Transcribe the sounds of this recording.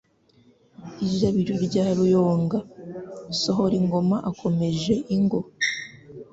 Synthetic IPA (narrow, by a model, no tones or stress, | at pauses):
iʒaβiɾuɾɟaːɾujoːŋɡa | soɦo̞ɾiŋɡo̞maʔakʰo̞me̞ʒe̞ʔiŋɡo̞